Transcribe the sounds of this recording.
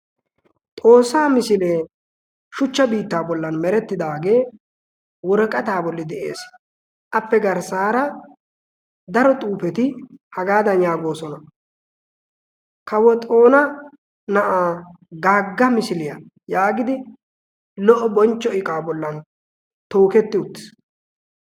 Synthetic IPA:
t̪ʼo̞ːsːaːmɪsɪleː | ʃʊt͡ʃːɐbiːt̪ːaːbɔlːɐnmɛɾɛt̪ːɪd̪aːɡe̞ː | wɔɾɔkʼːɐt̪aːbɔlːɪd̪ɛʔe̞̰ːs | ʔɐpːɛɡɐɾsaːɾɐ | d̪ɐɾɔt̪ʼuːpɛt̪ɪhɐɡaːd̪ɐnjaːɡo̞ːsɔnɐ | kɐwɔt̪ʼo̞ːnɐ | nɐʔaː | ɡaːɡːɐmɪsɪlɪjɐ | jaːɡɪd̪ɪ | lɔʔɔbɔnt͡ʃːɔɪkʼaːbɔlːɐn | t̪o̞ːkɛt̪ːɪʊt̪ːɪ̥s

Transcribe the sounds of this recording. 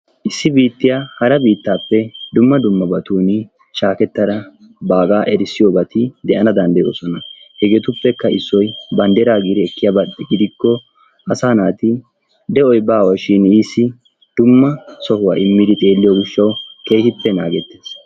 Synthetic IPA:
ʔɪsːɪbiːt̪ːɪjahɐɾɐbiːt̪ːaːpːɛd̪ʊmːɐd̪ʊmːɐbɐt̪uːnɪ | ʃaːkɛt̪ːɐd̪ɐ | baːkʼaːʔɛɾsːɪjoːbɐt̪ɪd̪ɛʔɐnɐd̪ɐnd̪ɐjoːsɔnɐ | hɛɡeːt̪ʊpːɛkːɐɪsːɔjbɐnd̪ɛɾaːɡɪd̪ɪɛkːɪjaːbɐɗɛɡɪd̪ɪkːɔ | ɐsaːnaːt̪ɪ | d̪ɛʔɔjbaːwɐʃɪniːsːɪ | d̪̥ʊmːɐsɔhʊwa̰ːɪmːɪd̪ɪt̪ʼe̞ːlːɪjɔɡɪʃːɐwke̞ːhɪpːɛnaːɡɛt̪ːeːs

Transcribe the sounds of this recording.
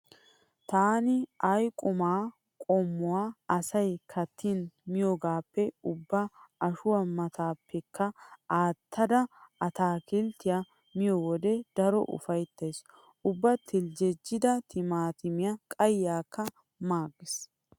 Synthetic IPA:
t̪aːnɪɐjkʼʊmaː | kʼɔmːʊwaːɐsɐjkʰɐt̪ʰːɪnmɪjoɡaːpːɛʊbːɐɐʃʊwɐmɐt̪ʰaːpːɛkʰːɐaːt̪ʰːɐd̪ɐɐt̪aːkɪlt̪ːɪjɐ | mɪjɔwɔd̪ɛd̪̥ɐɾɔʔʊ̰fɐjt̪ːeːs | ʔʊbːɐt̪ʰɪld͡ʒɛd͡ʒːɪd̪ɐt̪ɪmaːt̪ɪmɪjɐkʼɐjːaːkːɐ | maːɡːɪs

